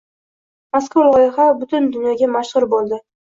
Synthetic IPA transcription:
maskolˠɒjɪχabʊt̪ʰʊnd̪ʊnjɒɡʲamaʃʁʊɾbolˠd̪ɪ

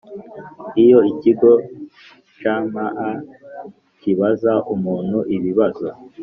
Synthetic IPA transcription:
ijo̞iciɡo̞ | t͡ʃaːmaʔa | ciβazaumuːn̥huʔiβiβazo

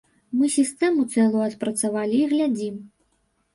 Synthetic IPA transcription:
mɨsʲist̪ɛmut̪sɛlˠujɐt̪pɾɐt̪savalʲiːɣlʲad͡zʲim

